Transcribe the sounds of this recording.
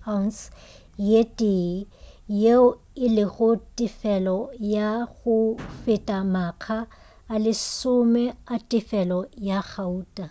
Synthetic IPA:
ans | jetʼi | jeʊ | ɪlɪɣʊtʼɪfɛlɔjaɣʊfɪtʼamakʰaː | lɪsʊmɛatʼɪfɛlɔjaɣʰauːtʼa

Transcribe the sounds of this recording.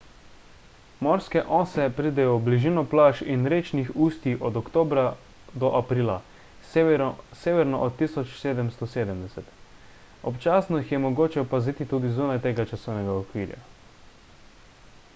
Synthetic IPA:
mɔɾskɛʔɔːsɛpɾid̪ɛjɔbliʒiːnɔplaːʃinɾeːt͡ʃnixuːst̪iʔɔd̪ɔkt̪oːbɾa | d̪ɔʔapɾiːla | seːʋɛɾnɔʔɔt̪ːisɔt͡ʃseːd̪ɛmst̪ɔseːd̪ɛmd̪ɛsɛt̪ | ɔpt͡ʃaːsnɔixjɛmɔɡoːt͡ʃɛɔpaziːt̪it̪uːd̪izuːnajt̪eːɡat͡ʃasɔwnɛɡaɔkʋiːɾja̰

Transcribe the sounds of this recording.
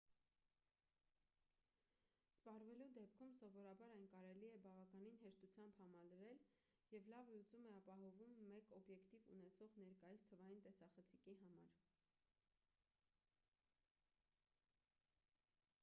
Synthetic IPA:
spɑrvɛlud̪ɛp̚kʰumsɔvɔɾɑbɑɾɑjnkɑɾɛliɛbɑvɑkɑninɦɛʃt̪ut͡sʰjɑmbhɑmɑləɾɛl | jɛvlɑvlut͡sumɛɑpɑɦɔvumːɛkɔbjɛkt̪ivṵnɛt͡sʰɔʁnɛɾkɑjist̪ʰəvɑjint̪ɛsɑχət͡sʰikiɦɑmɑɾ

